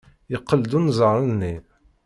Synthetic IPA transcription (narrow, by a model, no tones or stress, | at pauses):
jəqːəld̪unzˤəɾˤənːi